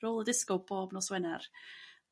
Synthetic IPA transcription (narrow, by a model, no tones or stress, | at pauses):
roːlˠədɪskɔboːbnɔswɛnar